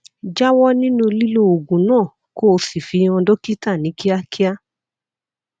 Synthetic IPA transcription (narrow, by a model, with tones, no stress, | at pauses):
d͡ʒa˦wɔ˦nĩ˦nũ˦˧li˦lo˦o˨ɡũ˨˦nãː˦˨ | ko˦˧si˨fi˧˦ɔ̃˧do˦ki˦ta˦˨nĩ˨˦ki˦a˧kʰi˦a˦